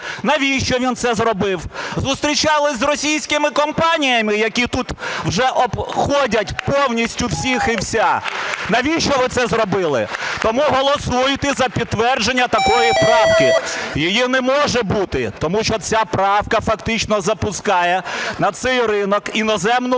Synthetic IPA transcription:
nɐʋʲiʃt͡ʃɔʋʲint̪sɛzrɔbɪwzʊst̪ɾʲit͡ʃɑlˠɪzrɔsʲijsʲkɪmɪkɔmpɑnʲijɐmɪjɐkʲit̪ut̪wʒɛʔɔbxɔdʲɐtʲpɔwnʲisʲtʲʊwsʲixiwsʲanɐʋʲiʃt͡ʃɔʋɪt̪sɛzrɔbɪlˠɪ̰t̪ɔmuɦɔlˠɔsujʊt̪ɛzɐpʲid̪̚t̪ːʋɛrd͡ʒenʲːɐt̪ɐkɔjipɾɑwkɪjijinɛmɔʒɛbut̪ɪt̪ɔmuʃt͡ʃɔt͡sʲapɾɑwkɐfɐkt̪ɪt͡ʃnɔzɐpʊskɑjɛnɐt̪sɛjrɪnɔkinɔzɛmnʊ

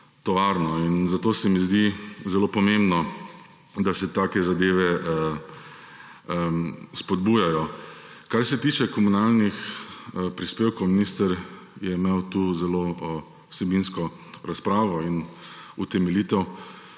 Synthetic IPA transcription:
t̪ɔʋaɾnɔinzat̪oːsɛmizd̪izɛlopɔmẽmbnɔ | d̪asɛt̪aːkɛzad̪eːʋɛ | spɔd̪buːjajɔ | kaɾsɛt̪iːt͡ʃɛkɔmunalnix | pɾispeːwkowminist̪əɾjɛimeːwt̪uːzɛloː | sɛbinskɔ | ɾaspɾaːʋɔinut̪ɛmɛlit̪ɛw

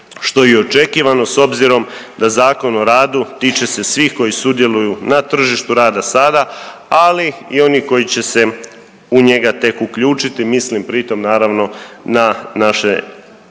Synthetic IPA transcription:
ʃt̪o̞jeo̞t͡ʃe̞kiːʋano̞so̞bziɾo̞m | d̪azaːko̞no̞ɾaːd̪ut̪iːt͡ʃe̞se̞sʋiːxko̞jisud̪je̞lujunat̪r̩ʒiʃt̪uɾaːd̪asad̪a | aliio̞niko̞jit͡ɕe̞se̞ | uɲe̞ɡat̪e̞kukʎuːt͡ʃit̪imislimpɾit̪o̞mnaːɾaʋno̞nanaʃe̞

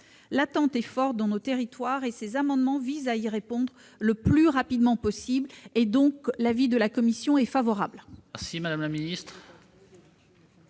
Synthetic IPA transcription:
lat̪ɑ̃t̪ɛfɔʁt̪̚d̪ɑ̃not̪eʁit̪waʁesezamɑ̃d̪mɑ̃vizaiʁepɔ̃d̪ʁ | ləplyʁapid̪mɑ̃pɔsibled̪ɔ̃klavid̪əlakɔmisjɔ̃ɛfavɔʁablɛʁsimad̪amlaminist̪χ

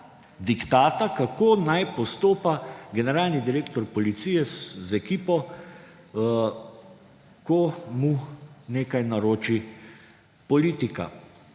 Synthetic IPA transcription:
d̪ikt̪aːt̪akakoːnajpɔst̪oːpaɡɛnɛɾaːlnid̪iɾeːkt̪ɔɾpɔlit̪sijɛzɛkiːpɔ | kɔmuneːkajnaɾoːt͡ʃi | pɔliːt̪ika̰

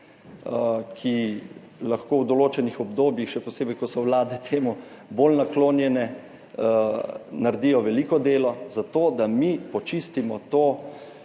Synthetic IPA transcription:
kʰi | laxkoːwd̪ɔloːt͡ʃɛnixɔbd̪oːbjixʃɛpɔseːbɛjkɔsɔwlaːd̪ɛt̪ʰeːmubolnakloːnjɛnɛ | naɾd̪ijɔʋɛlikɔd̪eːlɔzat̪oːd̪amipɔt͡ʃist̪imɔt̪oː

